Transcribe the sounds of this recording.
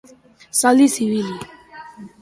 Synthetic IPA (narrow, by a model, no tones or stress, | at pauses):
sɔlisiwili